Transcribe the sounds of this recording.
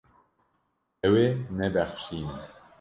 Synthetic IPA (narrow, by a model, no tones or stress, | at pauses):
ɛweːnɛbɛxʃiːnɛ